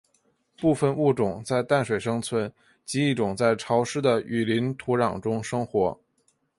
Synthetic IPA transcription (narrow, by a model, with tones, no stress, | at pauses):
pu˥˧fə˧nu˥˩ʈ͡ʂʊ˨˩ŋt͡sa˥˧ɪt̪a˥˩nʂwe˨˩ɪʂɤ˥ŋt͡sʰwə˧˥n | t͡ɕi˧˥i˥˩ʈ͡ʂʊ˨˩ŋt͡sa˥˩ɪʈ͡ʂʰɑ˧˥ʊʂɻ̩˥d̪ə˨y˨˩li˧˥nt̪ʰu˧˥ɻɑ˨˩ŋʈ͡ʂʊ˥ŋʂɤ˥ŋxwɔ˧˥